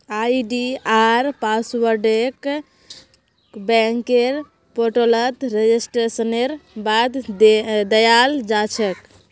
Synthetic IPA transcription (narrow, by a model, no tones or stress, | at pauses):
ajɖiaɾpaswəɾɖek | bɛŋkeɾ | poʈolət̪ɾed͡ʒisʈɾesəneɾbad̪d̪əjald͡ʒat͡ʃʰɛk